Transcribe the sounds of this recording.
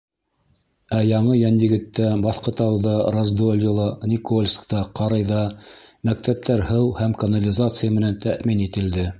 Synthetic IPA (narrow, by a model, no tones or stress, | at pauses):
æjɑɴɤjænjɘ̆ɡɘ̆t̪ːæbɑθqɤ̆t̪ɑwðɑrɐzd̪olʲjolˠɑnʲikolʲskt̪ɑqɑɾɑjðɑmæk̚t̪æp̚t̪ʰæɾhɤwhæmkɐnɐlʲɪzat̪sɨjəmɘ̆nænt̪ʰæʔminit̪ɘ̆ld̪ɘ